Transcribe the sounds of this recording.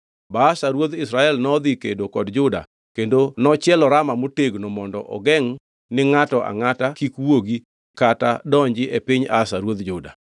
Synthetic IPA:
baːsaɾwod̪ɪsɾaɛlnɔd̪ikedokɔdd͡ʒʊda̰ | kendonɔt͡ʃjɛlɔɾamamoteɡnɔmɔndɔʔɔ̰ɡɛŋ | nɪŋatɔʔa̰ŋatakikwoɡi | katadɔɲd͡ʒɪʔepiɲasaɾwod̪d͡ʒʊda̰

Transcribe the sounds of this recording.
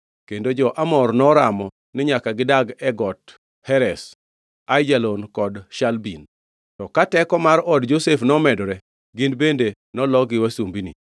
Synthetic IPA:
kendod͡ʒɔʔamɔrnɔɾamɔ | nɪɲakaɡɪdaɡɛɡɔt | hɛɾɛs | ajd͡ʒalɔnkɔdʃalbin | tɔkatɛkɔmaɾɔdd͡ʒosefnɔmɛdɔɾɛ | ɡɪnbende | nɔlɔɡɪwasumbinḭ

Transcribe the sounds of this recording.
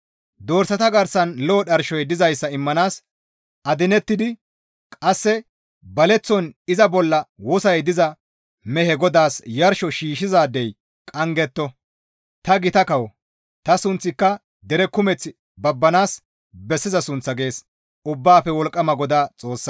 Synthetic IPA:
d̪o̞ːɾsɐt̪ɐɡɐɾsɐnloːɗɐɾʃɔjd̪ɪzɐjsːɐɪmːɐnaːs | ʔɐd̪ɪnɛt̪ːɪd̪ɪ | kʼɐsːɛ | bɐlɛt͡sːɔnɪzɐbɔlːɐwɔsɐjd̪ɪzɐ | mɛhɛɡɔd̪aːsjɐɾʃɔʃiːʃɪzaːd̪ːɛj | kʼɐŋɡɛt̪ːɔ | t̪ɐɡɪt̪ɐkɐwɔ | t̪ɐsʊnt͡sːɪkːɐ | d̪ɛɾɛkʊmɛt͡sːɪ | bɐbːɐnaːs | bɛsːɪzɐsʊnt͡sːɐɡe̞ːs | ʊbːaːpːɛwɔlkʼːɐmɐɡɔd̪aːt͡sʼo̞ːsːɐ

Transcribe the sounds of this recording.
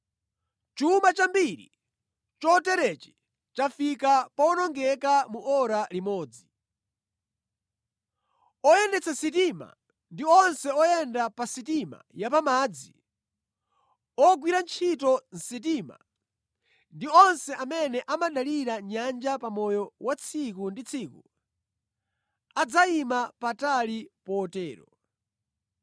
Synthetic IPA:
t͡ʃumat͡ʃambiɾḭ | t͡ʃɔtɛɾɛt͡ʃɛ̥ | t͡ʃafikapaɔnɔŋɡɛkamuʔɔɾalimɔːd͡zi | ɔjɛndɛt͡sʰasit̬ima̰ | ndiɔnsɛɔjɛndapasit̬ima̰japamaːd͡zi | ɔɡwiɾant͡ʃʰitɔn̩sit̬ima̰ | ndiɔnsɛʔamɛnɛʔamaɗaliɾaɲand͡ʒapamɔjɔwat͡sʰikundit͡sʰiːku | ad͡zaimapatalipɔːtɛːɾɔ̰

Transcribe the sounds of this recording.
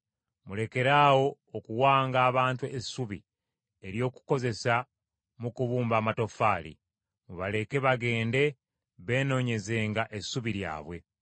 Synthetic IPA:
mule̞ke̞ɾaːwo̞ːkuwaːŋɡaːβaːntuesːuβi | e̞ɾjo̞ːku̥ko̞ze̞sa | mukuβuːmbaːmato̞faːlḭ | muβale̞ke̞βaɡe̞ːnde̞ | βe̞ːno̞ːɲe̞ze̞ːŋɡaʔe̞suβiɾja̰ːβwe̞

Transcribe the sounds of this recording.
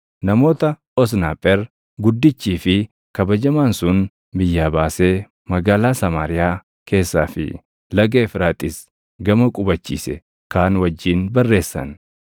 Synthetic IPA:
nɐmo̞ːt̪ɐ | ɔs̬naːpʼːɛɾ | ɡʊd̪ːɪt͡ʃːiːfɪ | kɐbɐd͡ʒɐmaːnsʊn | bɪjːaːbaːse̞ː | mɐɡaːlaːsɐmaːɾɪjaː | kʰe̞ːsːaːfɪ̰ | lɐɡeːfɾaːt̪ʼɪs | ɡɐmɐkʼʊbɐt͡ʃːḭːsɛ̰ | kaːnwɐd͡ʒːiːnbɐrːe̞ːsːɐ̰n

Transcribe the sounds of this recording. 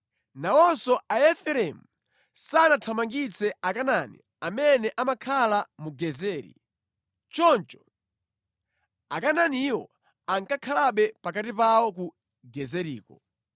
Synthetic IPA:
nawɔsɔʔaɛfɛɾɛmu | sanatʰamaŋɡit͡sɛakananḭ | amɛnɛʔamakʰalamuɡɛzɛːɾḭ | t͡ʃɔnt͡ʃɔ̥ | akananiwɔ | aŋkakʰalaɓɛpakatipawɔk̬u | ɡɛzɛɾḭːkɔ

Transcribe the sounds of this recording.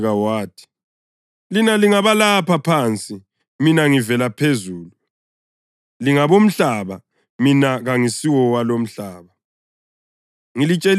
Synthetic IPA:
ɣawaːtʰi̥ | linaliŋaβalapʰapʰant͡sʼi | minaŋivɛlapʰezuːlu | liŋaβom̩ɬaːβa | minaɣaŋisiwɔwalom̩ɬaːβa | ŋilit͡ʃʼel

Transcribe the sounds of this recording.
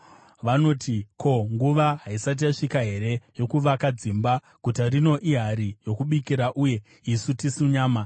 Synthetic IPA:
ʋano̞ːtiko̞ŋɡuʋaɦaisat̬ijaʂikaɦe̞ɾe̞jo̞kuʋakad͡zimba | kutarino̞ʔiɦaɾijo̞kuɓikiɾaʔuje̞ | isutisuɲaːma

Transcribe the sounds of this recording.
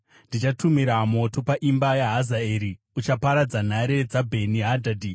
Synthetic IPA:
ndit͡ʃatumiɾamo̞to̞paʔimbajaɦazaeːɾi | ut͡ʃapaɾad͡zan̤aɾe̞d͡zabʱe̞niɦadʱadʱi

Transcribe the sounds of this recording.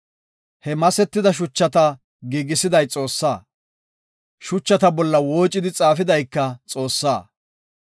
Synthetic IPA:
hɛmɐsɛt̪ːɪd̪ɐʃ̬ʊt͡ʃːɐt̪ɐ | ɡiːɡɪsɪd̪ɐjt͡sʼo̞ːsːaː | ʃʊt͡ʃːɐt̪ɐbɔlːɐwo̞ːt͡ʃʼːɪd̪ɪt͡sʼaːfɪd̪ɐjkːɐt͡sʼo̞ːsːaː

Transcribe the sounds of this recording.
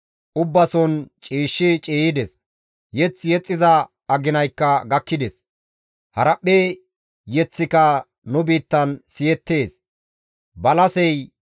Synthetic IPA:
ʔʊbːɐsɔnt͡ʃʼiːʃːɪt͡ʃʼeːjɪd̪ɛs | jɛt͡sːjɛt͡sʼːɪzɐ | ɐɡɪnɐjkːɐɡɐkːɪd̪ɛs | hɐɾɐpʼːe | jɛt͡sːɪkɐ | nʊbiːt̪ːɐnsɪjɛt̪ːe̞ːs | bɐlɐsɛj

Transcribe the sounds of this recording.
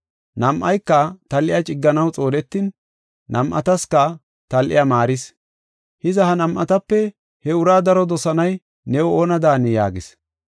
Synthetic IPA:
nɐmʔɐjkːɐt̪ɐlʔɪjat͡ʃʼɪɡːɐnɐwt͡sʼo̞ːlɛt̪ːinː | ɐmʔɐ̰t̪ɐskɐ | t̪ɐlʔɪ̰jɐmaːɾɪs | hɪzɐhɐnɐmʔɐ̰t̪ɐpːɛ | hɛʊɾaːd̪ɐɾɔd̪ɔsɐnɐj | nɛwoːnɐd̪aːnɪja̰ːɡɪs

